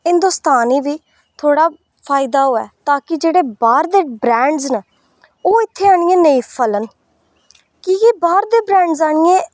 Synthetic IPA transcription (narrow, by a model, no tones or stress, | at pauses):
ɦɪ̃nd̪oːst̪aːniːʋiː | t̪ʰoːɽaː | pʰaːɪd̪aːɦoːɛ̰ːt̪aːkɪd͡ʒeːɽeːbaːɾd̪eːbɾɛ̃ːɳɖzna | oːɪt̪ʰːeːaːɳɪẽːneĩːpʰələn | kiːkɪbaːɾd̪eːbɾɛ̃ːɳɖzaːɳ̃ɪjẽː